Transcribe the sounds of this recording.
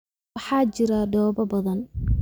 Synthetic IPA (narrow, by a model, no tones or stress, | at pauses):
ɑħɑːt͡ʃɪɾaɖɔːbɐbɐðɐn